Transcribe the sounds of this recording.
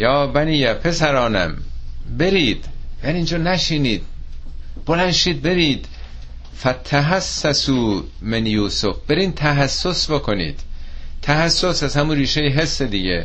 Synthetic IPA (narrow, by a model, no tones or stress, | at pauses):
jɒːbæniːjæpʰe̞sæɾɒːnæ̰mbe̞ɾiːd̪̥jæːniːnd͡ʒɒːnæʃiːniːd̪̥̚ | b̥olænʃiːd̪̚be̞ɾiːd̪ | fæt̪ʰːæɦæsːæsuː | menjuːsofb̥eɾiːnt̪ʰæɦæsːosbokʰonḭːd̪̥t̪ʰːæhæsːosæzhæmunɾiːʃejeɦesːed̪iɟḛ